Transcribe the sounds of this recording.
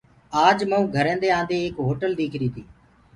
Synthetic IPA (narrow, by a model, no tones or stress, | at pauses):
aːd͡ʒmə̃ũːɡʱəɾẽːnd̪eːãːnd̪eːeːkɦoːʈəld̪eːkʰɾiːt̪ʰiː